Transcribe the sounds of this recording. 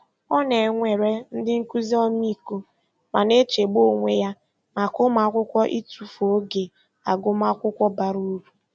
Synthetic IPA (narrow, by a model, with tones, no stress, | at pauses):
ɔ˦ne˨ŋʷe˨ɾe˦n̩˦dɪ˦ŋ̩˦ku˦zi˦ɔ˦m˦i˦ko˦ | ma˨ne˦t͡ʃe˨ɡ͡bo˦˨ŋʷe˦ja˦ | ma˨ko˦ma˨˦kʷʊ˦kʷɔ˦ʔi˦tu˨fo˨˦ɡe˨ | a˨ɡʊ˦ma˦kʷʊ˦kʷɔ˦ba˨ɾu˦ɾu˨